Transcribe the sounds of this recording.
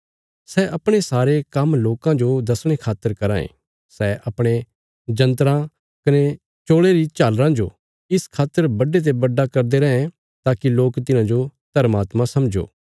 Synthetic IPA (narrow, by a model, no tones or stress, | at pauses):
sɛɐpɽ̃esaːɾekɐmloːkãd͡ʒod̪ɐsɽ̃ekʰaːt̪ːəɾkɐɾã̰ːḛ̃ | sɛʔɐpɽ̃e | d͡ʒɐ̃nt̪̬ɾã | kɐne | t͡ʃoːɭeɾit͡ʃaːlɾãd͡ʒo̰ | ɪskʰaːt̪ːəɾbɐɖet̪̬ebɐɖːakɐɾd̪eɾɐɦẽ | t̪aːkiloːkt̪ɪnãd͡ʒot̪ɐɾmaːt̪mãsɐmd͡ʒo̰ː